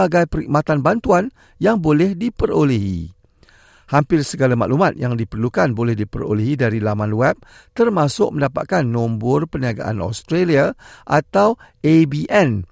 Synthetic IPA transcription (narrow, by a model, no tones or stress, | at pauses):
aɡajpəɾḭk̚mat̪anbant̪uan | jaŋbolɛhdipəɾoliɦḭ | hampɪrsəɡalamã̰ʔlumat̪̚jaŋdipərlukanbolɛhdipəɾo̰liɦidaɾilamanwɛp̚ | t̪ərmãsʊk̚məndapa̰t̪̚kanːõmbʊrpəniaɡa̰ʔa̰nɔ̰st̪ɾeliaʔat̪aw | ebiʔɛn